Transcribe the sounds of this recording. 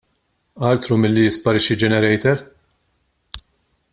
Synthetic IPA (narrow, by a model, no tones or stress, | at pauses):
ʔɐːlt̪ɾumɪlːijɪspɐɾɪʃːid͡ʒɛnɛɾɛjt̪ɛɾ